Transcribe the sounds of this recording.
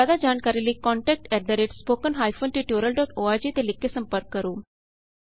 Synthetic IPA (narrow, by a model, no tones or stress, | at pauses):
ad̪ad͡ʑaːɳkaɾilikɔɳʈɛk̚ʈɛɾ̚d̪əɾeʈspoːkənɦaːjfonʈiʈjoːɾəlɖɔʈoːad͡ʑit̪elikːesəmpəɾkːəɾuː